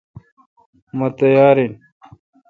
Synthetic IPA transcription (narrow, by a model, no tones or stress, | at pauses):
mɐt̪ɐjaːɾin